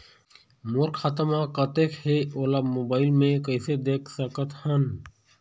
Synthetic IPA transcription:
mʊɾkxət̪əmãkət̪eːkʰheoːlaːmoːbaːɪlmẽkəjsed̪eːkʰsəkət̪hən

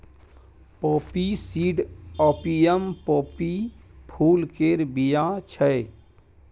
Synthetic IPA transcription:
poːpisiːɖɔːpijəmpoːpipʰuːlkeːɾbijat͡ʃʰəj

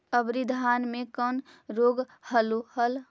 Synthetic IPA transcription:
əbɾid̪ʱaːnmẽkən | ɾoːɡ | həlohəl

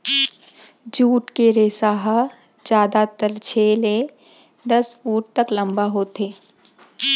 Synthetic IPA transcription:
d͡ʒuːʈkeɾeːsaːɦa | d͡ʒjaːd̪at̪əlt͡ʃʰeːle | d̪ɐsfuːʈ̚t̪ɐklɐ̃mbaɦoːt̪eː

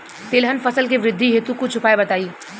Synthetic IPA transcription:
t̪eːlɦənfɐsəlkiʋɾɪd̪ʱːiɦeːt̪ukut͡ʃʰʊpaːebɐt̪aːiː

